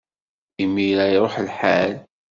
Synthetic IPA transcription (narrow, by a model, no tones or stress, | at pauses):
imːiɾæjɾˤoħəlħal